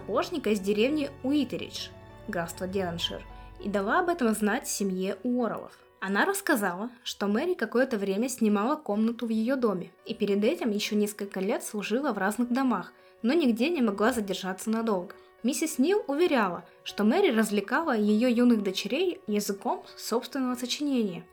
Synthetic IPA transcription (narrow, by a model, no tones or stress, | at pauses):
ɐpoʐnʲɪkəɪzʲdʲɪɾʲe̞vnʲɪʊit̪ʲɪɾʲɪ̰t͡ʃ | ɡast̪vədʲenɐnʂɨ̰rḭd̪ɐlˠaɐbɛt̪əmznatʲsʲɪmjeʔʊoɾə̰lˠə̰f | ɐnaɾəskɐzalˠəʂt̪o̞mɛɾʲɪkɐko̞jət̪əvɾʲemʲəsʲnʲɪmalˠəko̞mnət̪ʊvjɪjo̞d̪o̞mʲɪipʲɪɾʲɪd̪ɛtʲɪmjɪɕːonʲeskəlʲkəlʲe̞t̪slˠʊʐɨlˠəvraznɨɣd̪ɐmax | no̞nʲɪɡdʲenʲɪmɐɡlˠazədʲɪrʐat̪sːənɐd̪o̞lˠɡə | mʲisʲɪsʲnʲilˠʊvʲɪɾʲalˠə | ʂt̪o̞mɛɾʲɪrəzvlʲɪkalˠəjɪjo̞junɨɣd̪ət͡ɕɪɾʲejjɪzɨko̞mso̞pst̪vʲɪnːəvəsət͡ɕɪnʲenʲɪjə